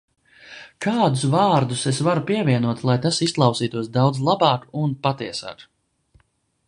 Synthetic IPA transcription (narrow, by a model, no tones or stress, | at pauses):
kʰaːd̪usvaːɾd̪usesvaɾupiɛvʲiɛnuɔt̪lˠajt̪asisklˠɑwsiːt̪uɔsd̪awd̪zlˠabɑːkunpat̪iɛsa̰ːk